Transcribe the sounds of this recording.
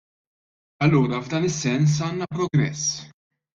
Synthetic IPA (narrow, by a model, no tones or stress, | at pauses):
ɐlːuːɾɐvd̪ɐːnɪsːɛns̬ɐːnːɐpɾɔɡɾɛsː